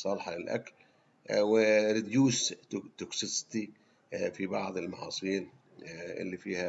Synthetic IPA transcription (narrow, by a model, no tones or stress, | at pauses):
sˤɑlˤħɑlɪlʔa̰kl | wɪɾɪd̪juːst̪ʊksɪst̪i | fibɑʕd̪ˤɪlmɑʕɑ̰ːsˤɨiːn | ʔɪ̰lːifiːha